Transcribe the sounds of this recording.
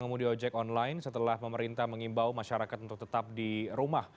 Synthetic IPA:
ŋəmudiɔd͡ʒɛkɔnlajnsət̪əlahpəməɾint̪ahməŋimbawmaʃaɾakat̪unt̪ʊk̚t̪ət̪ap̚diɾumah

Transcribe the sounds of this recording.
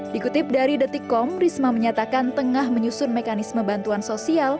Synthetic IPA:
dikut̪ɪp̚daɾidət̪ikːɔmrismaməɲat̪akant̪əŋahməɲusʊnmekanisməbant̪uansosial

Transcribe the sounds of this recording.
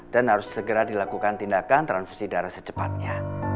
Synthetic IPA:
d̥anɦaɾʊsːəɡəɾadilakukant̪indakant̪ɾanfu̥sidaɾasə̥t͡ʃəpat̪̚ɲa

